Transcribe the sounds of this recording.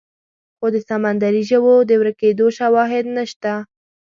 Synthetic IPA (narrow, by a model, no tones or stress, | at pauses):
xod̪əsamand̪aɾiʒəwod̪əwɾaked̪oʃawɑɦɪd̪naʃt̪a